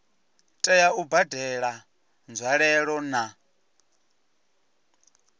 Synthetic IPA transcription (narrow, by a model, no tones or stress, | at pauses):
tʼɛjaubadɛɺa | nd͡zwaɺɛɺɔna